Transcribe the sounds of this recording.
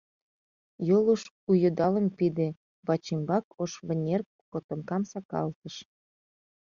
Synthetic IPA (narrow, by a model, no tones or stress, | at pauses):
joluʃ | ujod̪ɑlə̆mpid̪e | βɑt͡ɕimbɑkoʃβənʲer | kot̪ŏmkɑmsɑkɑ̰lt̪əʃ